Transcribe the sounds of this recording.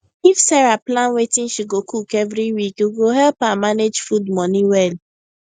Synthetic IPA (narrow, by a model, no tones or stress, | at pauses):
ifsɛɹaplãnwetĩnʃiɡokukevɾiwikuɡoɦɛlpamaned͡ʒfudmɔniwɛl